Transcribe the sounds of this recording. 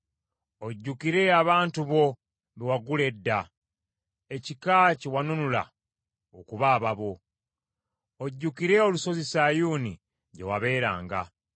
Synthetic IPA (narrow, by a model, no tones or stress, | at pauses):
o̞ɟːukiɾe̞aβaːntuβo̞ | βewaɡule̞dːa | ecikaciwanunula̰ | okuβaːβaβo̞ | oɟːukiɾe̞o̞luso̞zisajuːnḭ | ɟe̞waβe̞ːɾa̰ːŋɡa̰